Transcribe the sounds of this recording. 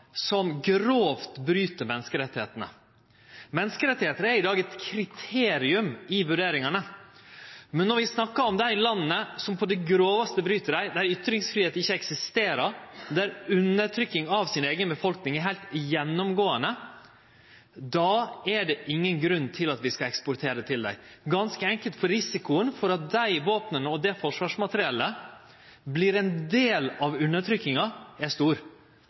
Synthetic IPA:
sɔmɡɾoːft̪bɾyːt̪əɾmɛnəskəɾɛt̪ːɪheːt̪ənə̰ | mɛnːəskəɾɛt̪ːɪheːt̪ənəæɾɪd̪ɑːɡɛt̪kʰɾɪt̪ʰeːɾɪʉmɪʋʉɖeːɾɪŋɑnə | mɛnːɔɾʋɪsnɑkːɑɔmd̪ææɪlɑnːəsɔmpʰɔd̪ɛɡɾoːʋɑst̪əbɾyːt̪əɖæɪd̪æɾʏt̪ɾɪŋsfɾiːeːt̪nɪçːəɛksɪst̪eːɾəɾd̪æɾʉnːəʈ̪ʰɾʏkːɪŋɑʋsɪneːɡənbəfɔlknɪŋæɾɦæɪlt̪jɛnːɔmɡoːənə | d̪ɑːæɖɛʔɪŋːənɡɾʉnːt̪ʰɪlɑt̪ʋɪskɑɛkspʊɾt̪ʰeːɾət̪ʰɪld̪æ̰ɪɡɑnskəɛŋkəlt̪fɔɾɪsɪkʊənfɔɾɑt̪̚d̪æɪʋoːpnənəɔd̪ɛfɔʂʋɑːʂmɑt̪əɾɪɛlːə | bliːɾɛnd̪eːlɑʋʉnət̪ʰɾʏkːɪŋɑæʂt̪uːɾ

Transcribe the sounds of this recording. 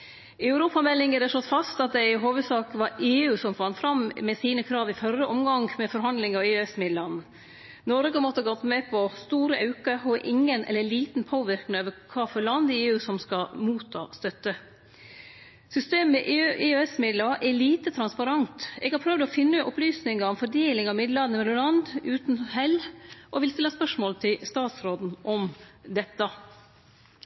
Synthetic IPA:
æʉɾuːpɑmɛlːɪŋəd̪ɛʂɭɔt̪ːfɑst̪ɑt̪̚d̪æɪɦoːʋəd̪sɑːkʋɑɾeːʉːsɔmfɑnːfɾɑmmɛsiːnəkʰɾɑːʋɪfœrəʔɔmɡɑŋmɛfɔɾɦɑnd̪lɪŋɑʋeːɛsmɪd̪lɑn | nɔɾɡəmɔt̪ːəɑɡɔt̪mɛpʰɔst̪uːɾəʔɑʉkəɔʔɪŋːənɛ̰lːəɭiːt̪npʰoːʋɪɾknɪøːʋəɾkʰɑːfɔɾɭɑnd̪ɪeːʉːsɔmskɑmuːt̪ʰːɑ̰ːst̪œt̪ːə | sʏst̪eːmːɛʔʔɪøːɛsmɪd̪lɑʔɛɭiːt̪ət̪ʰɾɑnspɑɾɑnt̪ɛ̰ːɡhɑɾpʰɾœʋd̪ɔfɪnːəʔɔ̰plyːsnɪŋɑɾɔmfɔɖeːlɪŋɑmɪd̪lɑnəmɛmʊɾɑnd̪ʉːt̪n̩hɛlʔɔʋɪlst̪ɪlːəspœʂmoːlt̪ʰɪlst̪ɑːt̪sɾoːd̪n̩ʔɔmd̪ɛt̪ːə

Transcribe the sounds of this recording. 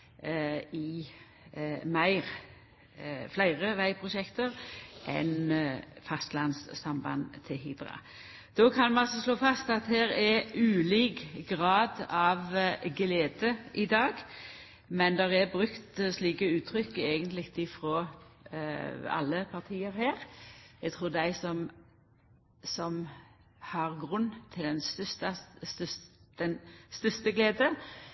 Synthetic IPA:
ɪ | mæɪʁ | flæɪʁəʋæɪpʰɾʊʃɛkt̪əɾʔɛ̰nfɑst̪lɑnsːɑmbɑ̰nt̪ʰɪhɪd̪ɾɑ̰ | d̪̥oːkʰɑnmɛnɑlsɔsloːfɑst̪ɑt̪hæːɾɛʉːliːɡɡʁɑːd̪ɑʋɡleːd̪əʔɪd̪ɑːɡ | mɛnd̪ɛʁɛbʁʉkt̪sliːkəʉːt̪ʰɾʏkːeːɡənt̪lɪt̪ɪfɾoː | ɑ̰lːəpʰɑʁt̪ʰiːəɾhæːɾɛɡt̪ʰʁuːd̪æɪsɔm | sɔm | hɑʁɡʁʉnːt̪ʰɪld̪ɛnst̪st̪ɑst̪sd̪̥ɛnst̪ʏst̪əɡleːd̪ə

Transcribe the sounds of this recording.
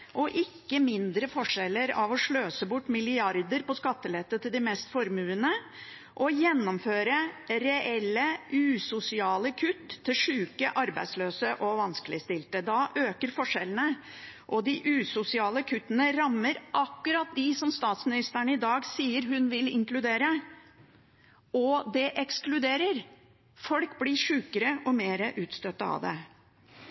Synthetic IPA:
ʔɔʔɪkːəmɪnd̪ɾəfɔʂɛlːəɾɑʋɔʂɭøːsəbʊʈːmɪlɪɑɾd̪əɾpɔskɑt̪ːəlɛt̪ːət̪ʰɪld̪ɪmɛːst̪fɔɾmʉːənə | ʔɔjɛnːɔmføːɾəɾɛʔɛlːəʔʉːsʊsɪɑːləkʰʉt̪ʰːɪlʂʉːkəʔɑɾbæ̰ɪd̪sløːsəʔɔʋɑnskəlɪəst̪ɪlt̪əd̪ɑʔøːkəɾfɔʂɛlənə | ʔɔd̪ɪʔʉːsʊsɪɑːləkʰʉt̪ːənəɾɑmːəɾʔɑkːʉɾɑt̪̚d̪ɪsɔmst̪ɑːt̪smɪnɪst̪əɾɳəɪd̪ɑːɡsiːəɾɦʉnʋɪlɪŋklʉd̪eːɾə | ɔd̪ɛʔɛksklʉd̪eːɾəɾ | fɔlkblɪʂʉːkəɾəʔɔmeːɾəʔʉːt̪st̪œt̪ːəɑ̰ʋd̪ɛ̰

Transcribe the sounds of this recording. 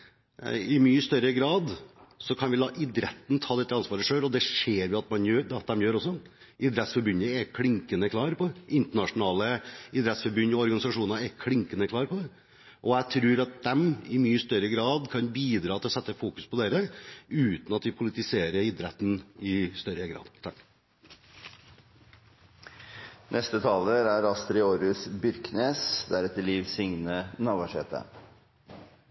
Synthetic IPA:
ɪmyːəst̪œɾəɡɾɑːd̪sɔkʰɑnʋɪlɑːʔɪd̪ɾɛt̪n̩t̪ʰɑːd̪ɛt̪ːəɑnsʋɑːɾəʂøːlɔd̪ɛʂeːɾʋɪɑt̪mɑnjøːd̪ɛɑt̪̚d̪ɛmjøːɾɔsːɔ | ɪd̪ɾɛt̪sfɔɾbʉnəɛkʰlɪŋkənəkʰlɑːɾpʰɔʔɪnt̪əɳɑʂʊnɑːləɪd̪ɾɛt̪sfɔɾbʉnːɔɔɾɡɑnɪsɑʂuːnnɛkʰlɪŋkənəkʰlɑːɾpʰɔd̪ɛ | ʔɔæt̪ʰɾʉːɾɑt̪̚d̪ɛmɪmyːəst̪œɾəɡɾɑːd̪kʰɑnbiːd̪ɾɑːt̪ʰɪlɔsɛt̪ːəfuːkʉspʰɔd̪eːɾəʉːt̪n̩ɑt̪ʋɪpʰʊlɪt̪ɪseːɾəɾɪd̪ɾɛt̪ːn̩ɪst̪œɾəɡɾɑ̰ːd̪t̪ʰɑkː | nʔɛst̪ət̪ʰɑːləɾæɾɑst̪ɾɪoːɾʉsbʏɾkneːsd̪æɾɛt̪ːəɭiːʋsʏŋnənɑʋɑʂḛːt̪ə̰

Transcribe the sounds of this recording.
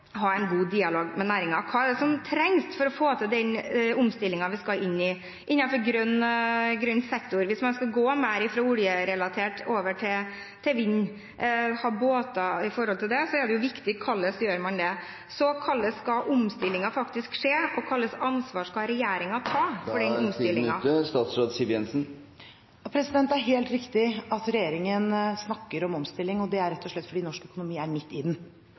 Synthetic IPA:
ɦɑæɪnɡuːd̪iːɑloːɡmɛnæːɾɪŋɑkʰɑːɛɖɛsɔmt̪ʰɾɛŋst̪fɔɾɔfoːt̪ʰɛd̪ɛnʊmst̪ɪlːɪŋɑʋɪskɑʔɪnːɪ | ʔɪnːɑfɔɾɡɾœnːɡɾœnːsɛkt̪ʊɾʋɪsmɛnskɑɡoːmæɪɾɪfɾoːʊljəɾɛlɑt̪ʰeːʈoːʋəʈʰɪ | t̪ʰɛʋɪɲː | hɑːboːt̪ɑɪfɔɾhɔlt̪ɪld̪ɛsɔɛɖɛjʊʋɪkt̪ɪkʰːɑlːəsjøːɾmɑnd̪ɛ | sɔkʰɑlːəskɑʔʊmst̪ɪlːɪŋɑfɑkt̪ɪskʂeːɔkʰɑlːəsɑnsʋɑːʂkɑɾɛjeːɾɪŋɑt̪ʰɑːfɔɖɛnʊmst̪ɪlːɪŋɑst̪ɑːt̪sɾoːd̪sɪʋɛnsn | ɑpʰɾɛsɪd̪ɛnt̪æɾɦeːlt̪ɾɪkt̪ɪɑt̪ɾɛjeːɾɪŋənsnɑkːəɾɔmɔmst̪ɪlːɪŋɔd̪ɛæɾɛt̪ːɔʂɭɛt̪ːfɔɖiːnɔʂkœkʊnʊmiːæɾmɪt̪ːɪd̪n

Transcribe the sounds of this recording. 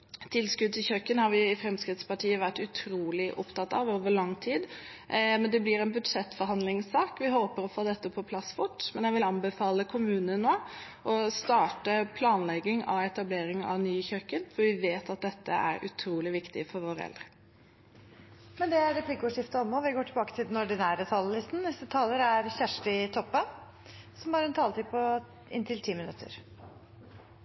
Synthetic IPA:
t̪ʰɪlskʉd̪̚t̪ɪlçœkːənhɑɾʋɪɪfɾɛmskɾɪt̪spɑʈʰiːəʋæʈːʉt̪ʰɾuːlɪʔʊ̰pt̪ɑt̪ːɑ̰ʋoːʋəɭɑŋːt̪ʰiːd̪ | mɛnd̪ɛblɪɾɛnbʉd̪ʂɛt̪ːfɔɾhɑnd̪lɪŋsɑːkʋɪɦoːpəɾɔfoːd̪ɛt̪ːəpʰɔpʰlɑsːfʊʈːmɛnjæɪʋɪlɑmbəfɑːləkʰʊmʉːnənːoː | ʔɔst̪ɑːʈəpʰlɑːnlɛɡːɪŋɑ̰ʋɛt̪ɑbleːɾɪŋɑ̰ʋnyːçœkːənfɔɾʋɪʋeːt̪ɑt̪̚d̪ɛt̪ːəæ̰ɾʉ̰t̪ʰɾuːlɪʋɪkt̪ɪfɔɾʋoːɾəɛ̰ld̪ɾə | mɛnd̪ɛæɾɾɛpʰlɪkəɔːʂɪft̪əɔmːɔʋɪɡoːʈʰɪlbɑːkət̪ʰɪld̪ɛnɔɖɪnæːɾət̪ʰɑlːəlɪst̪n̩nɛst̪ət̪ʰɑːləɾæɾçæʂʈɪt̪ʰɔpːə | sɔmɑːɾəɛnt̪ʰɑːlət̪iːpʰɔ | ɪ̰nt̪ʰɪlt̪ʰiːmɪnʉt̪ʰːə̰ɾ

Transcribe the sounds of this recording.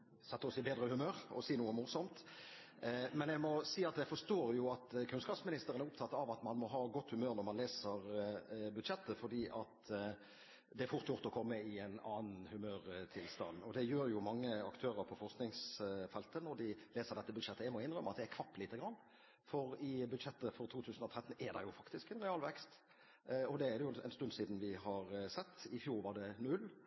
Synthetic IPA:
sɛt̪ːəɔsɪbeːd̪ɾəhʉmøːɾɔ̰siːnuːəmʊʁsɔmt̪ | mɛnjæmɔsiːɑt̪̚d̪æfɔst̪oːɾjʊɑt̪kʰʉnskɑːpsmɪnɪst̪əɾənæɾʊpt̪ʰɑt̪ːɑɑʋɑt̪mɑnmɔɦɑːɡɔt̪ːhʉmøːɾnɔɾmɑnleːsəɾbʉd̪ʃɛt̪ːəfɔd̪iːʔɑt̪ | d̪ɛæɾfʊɾt̪jʊʁt̪ɔkʰɔmːəɪɛnɑːnn̩hʉmøːɾt̪ʰɪlst̪ɑ̰nːɔd̪ɛjøːɾjʊmɑŋːəɑkt̪ʰøːʁəɾpʰɔfɔɾsknɪŋsfɛlt̪ənɔɾd̪ɪleːsəɾd̪ɛt̪ːəbʉd̪ʃɛt̪ːəɪmɔɪnɾœmːɑt̪̚d̪ɛækʰʋɑpːlɪːt̪ːəɡɾɑnː | fɔɾɪbʉd̪ʃɛt̪ːəfɔɾt̪ʰuːt̪ʰʉːsn̩ɔt̪ʰɾɛt̪ːn̩ɛɾd̪ɑ̰jʊfɑkt̪ɪskɛnɾɛɑːlʋɛkst̪ | ɔd̪ɛæɾd̪ɛjʊɛ̰ɪnst̪ʉnd̪siːd̪n̩ʋɪhɑɾsɛt̪ːɪfjuːɾʋɑd̪ɛnʉlː

